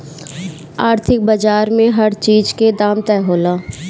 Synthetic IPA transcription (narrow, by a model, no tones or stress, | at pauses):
aːɾt̪ʰɪk̚bəd͡ʒaːɾmẽɦɐɾt͡ʃiːd͡ʒked̪aːmt̪ɛːɦoːlaː